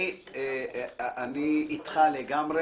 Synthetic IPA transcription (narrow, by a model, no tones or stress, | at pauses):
ʔaniːt̪χaleɡamʁe